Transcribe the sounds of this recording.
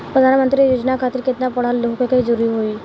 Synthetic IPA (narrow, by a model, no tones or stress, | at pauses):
pɾəd̪ʱanmənt̪ɾijod͡ʒnakʰat̪iɾket̪napɔɽ̤alːoɦkekeid͡ʒoɾuiɦoi